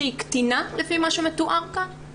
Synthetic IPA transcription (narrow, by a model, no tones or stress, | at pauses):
ikt̪inalefimaːʃumet̪uʔaʁka